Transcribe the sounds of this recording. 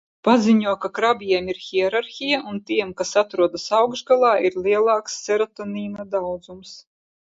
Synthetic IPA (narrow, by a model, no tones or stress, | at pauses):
paziɲuɔkakɾabiɛmiɾxʲiɛɾaɾxʲijaʔunt̪iɛmkasat̪ɾuɔd̪asawɡʒɡalˠɑːʔiɾlʲˠiɛlˠɑːksːɛɾat̪ɔniːnad̪awd̪zums